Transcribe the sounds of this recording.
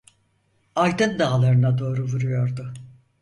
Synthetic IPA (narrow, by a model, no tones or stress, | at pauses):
alʲd̪ɯnd̪aːlˠaɾɯnad̪o̞ːɾuvuɾujoɾd̪ʊ